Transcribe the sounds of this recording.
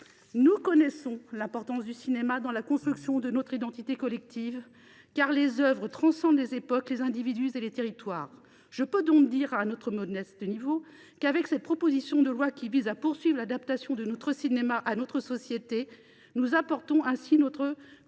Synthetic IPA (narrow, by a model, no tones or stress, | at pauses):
nukɔnɛsɔ̃lɛ̃pɔʁt̪ɑ̃sd̪ysinemad̪ɑ̃lakɔ̃st̪χyksjɔ̃d̪ənɔt̪χid̪ɑ̃t̪it̪ekɔlɛk̚t̪ʰiv | kaʁlezœvʁət̪χɑ̃sɑ̃d̪lezepɔklezɛ̃d̪ivid̪yzelet̪eʁit̪waːʁ | ʒ̥əpød̪ɔ̃kd̪iʁanɔt̪χəmɔd̪nɛsd̪ənivo | kavɛksɛt̪̚pχɔpozisjɔ̃d̪əlwakʲivizapuʁsɥivʁlad̪apt̪asjɔ̃d̪ənɔt̪χəsinemaʔanɔt̪χəsɔsjet̪e | nuzapɔʁt̪ɔ̃ʔɛ̃sinɔt̪χə